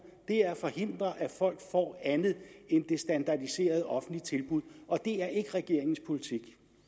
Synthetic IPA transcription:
d̥e̝æɐfɒ̽he̝n̰d̥ʁɐʔæfɒ̽l̰ɡ̥fɒ̰ːænð̩ˠend̥e̝sd̥ænd̥ɑ̈d̥ise̝̰ːɐð̞ˠɒ̽fn̩lit͡sʰe̝lb̥uð̞̰ˠɒ̽d̥e̝æɐʔe̝ɡ̥əʁɛɡ̥e̝ɐ̰e̝ŋn̩spʰo̝lit͡sʰiɡ̥

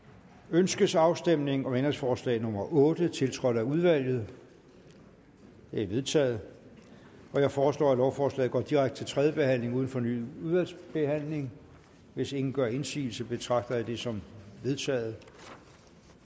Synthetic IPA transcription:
ønsɡ̥əsɑ̈ʊsd̥em̰ne̝ŋɒ̽menɐsfɒːslɛ̰ɪnɔmɐʔɔ̽ːd̥ət͡sʰe̝lt͡sʰʁɒ̽d̥ˠæuðˠʋæl̰jð̩ˠ | d̥eæʋe̝ð̞ˠt͡sʰɛ̰ːð̩ˠ | ɒ̽jɑɪfɒːslɔ̰ːælɒʊfɒːslɛ̰ːð̩ɡ̥ɒ̰ːd̥iʁäɡ̥d̥ə̥t͡sʰelt͡sʰʁɛːðjəb̥e̝hæn̰le̝ŋuðˠn̩fɒ̽ny̰uðˠʋælsb̥e̝hæn̰le̝ŋ | ʋe̝se̝ŋn̩ɡ̥ɶɐe̝nsḭːl̩səb̥e̝t͡sʰʁɑ̈ɡ̥d̥ɐðd̥e̝sɒ̽mʋe̝ð̞ˠt͡sʰɛ̰ːð̞̩ˠ

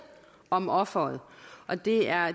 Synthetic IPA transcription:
ɒ̽mɒ̽fɐð̩ˠʔɒ̽d̥e̝æɐ

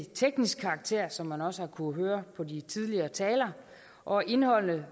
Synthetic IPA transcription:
t͡sʰeɡ̥nisɡ̥̚kʰɑ̈ːɡ̥̚t͡sʰe̝ɐ̰sɒ̽mːænɒ̽səhɑ̈kʰuɦøːɐpʰɒ̽dit͡sʰið̞ˠliɐːt͡sʰɛːlɐ | ʔɒ̽e̝nhɒ̽l̰nə

